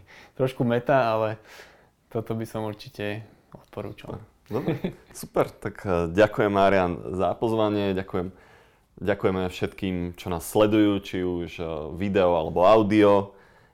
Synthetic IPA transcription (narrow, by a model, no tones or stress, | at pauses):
t̪ɾɔʃkumɛt̪aalɛ | t̪ɔt̪ɔbisɔmuɾt͡ʃicɛ | ɔt̪̚pɔɾṵːt͡ʃa̰ | d̪ɔbɾɛsupɛɾt̪akɟakujɛmːaːɾɪanza̰pɔzʋaɲɪɛɟakujɛm | ɟakujɛmɛfʃɛt̪kiːmt͡ʃɔnaːsːlɛd̪ujuːt͡ʃiuʒʋid̪ɛɔalɛbɔaʊd̪iɔ